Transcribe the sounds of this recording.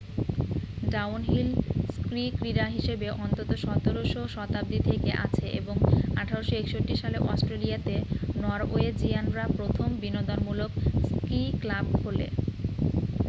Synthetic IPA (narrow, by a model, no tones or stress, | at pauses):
ɖawnɦilskɾikɾiɾaɦiʃebeʔɔnt̪ot̪oʃɔt̪oɾoʃoʃɔt̪ab̚d̪it̪ʰekeʔa̰t͡ɕʰeʔeboŋaʈʰaɾoʃoekʃoʈːiʃaleʔɔsʈɾelijat̪enɔɾoed͡ʑianɾapɾot̪ʰombinod̪onmulokskɾiklabɦolḛ